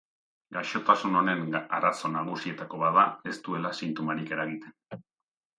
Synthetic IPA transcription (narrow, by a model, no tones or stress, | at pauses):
ɡaʃo̞t̪asuno̞ne̞na̰ɾaso̞naɣ̞usie̞t̪ako̞βaðae̞st̪ue̞lasint̪omaɾike̞ɾaɣit̪e̞n